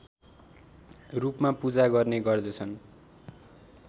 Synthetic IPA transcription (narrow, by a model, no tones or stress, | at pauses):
rupmapud͡zaɡʌrneɡʌrd̪ʌt͡sʰʌn